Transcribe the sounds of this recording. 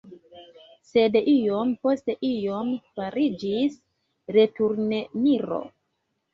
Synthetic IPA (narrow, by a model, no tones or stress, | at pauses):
se̞dijo̞mpo̞ste̞ʔijo̞mfaɾid͡ʒis | ɾe̞tuɾne̞niɾo̞̰